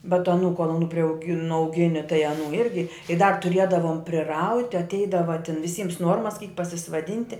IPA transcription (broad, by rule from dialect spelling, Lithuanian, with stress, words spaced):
bʲɛt ɐˈnuː ˈkuɔlˠ ɐˈnuː pʲrʲɛʊˈɡʲɪ nʊɐʊˈɡʲɪnʲɪ tɐɪ ɐˈnuː ˈɪrʲɡʲɪ ɪ dɐr tʊˈrʲiɛdɐʋoːm pʲrʲɪˈrɐʊtʲɪ ɐtʲˈɛɪdɐʋɐ tʲɛn ʋʲɪˈsʲiːms ˈnuɔrmɐs kʲiːk pɐsʲɪsʋɐˈdʲɪnʲtʲɪ